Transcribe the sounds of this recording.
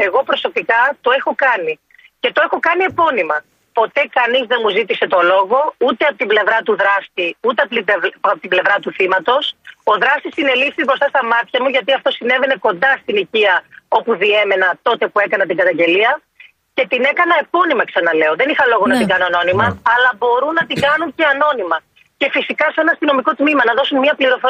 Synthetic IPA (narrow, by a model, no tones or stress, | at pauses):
e̞ɣo̞pɾo̞so̞pikɐt̪o̞e̞xo̞kɐni | ce̞t̪o̞e̞xo̞kɐnie̞po̞nimɐ | po̞t̪e̞kɐnizðe̞muzit̪ise̞t̪o̞lo̞ɣo̞ut̪e̞ɐpot̪ible̞vɾɐt̪uðɾɐst̪iut̪e̞ɐpɐpot̪ible̞vɾɐt̪uθimɐt̪o̞so̞ðɾɐst̪isine̞lifθizbɾo̞st̪ɐst̪ɐmɐt̪çɐmuʝɐt̪iɐft̪o̞sine̞ve̞ne̞ko̞nd̪ɐst̪iniciɐo̞puðie̞me̞nɐt̪o̞t̪e̞pue̞kɐnɐt̪iɡɐt̪ɐɲɟe̞liɐ | ce̞t̪ine̞kɐnɐepo̞nimɐksɐnɐle̞o̞ðe̞nixɐlo̞ɣonɐt̪iɡɐnoɐno̞nimɐːlɐbo̞ɾunːɐt̪iŋɡɐnunce̞ɐno̞nimɐ | ce̞fisikɐse̞nɐst̪ino̞miko̞t̪mimɐnɐðo̞sunmɲɐpliɾo̞fo